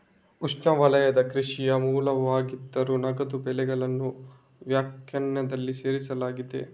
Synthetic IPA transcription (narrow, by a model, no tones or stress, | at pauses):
ut͡ʃnɐʋɐlɐjɐd̪ɐkɾiʂijɐmuːlɐʋaːɡid̪ːɐɾunɐɡɐd̪ubɛlɛɡɐɭɐnːu | ʋjaːkjɐɳjɐd̪ɐlːiseːɾisɐlaːɡid̪e̞̰